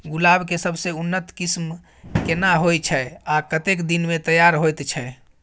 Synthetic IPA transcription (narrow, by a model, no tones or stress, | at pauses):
ɡulabkesəbʱseunːət̪kism | kenaɦojt͡ʃʰɛakət̪ekd̪inmet̪əjaɾɦojt̪t͡ʃʰɛ